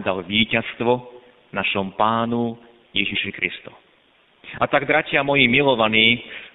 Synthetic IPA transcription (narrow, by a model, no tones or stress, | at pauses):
d̪alʋiːcast̪ʋɔ | naʃɔmpaːnu | jɛʒiʃɛkɾḭst̪u | at̪aɡd̪ɾacɪamɔjimilɔʋaniː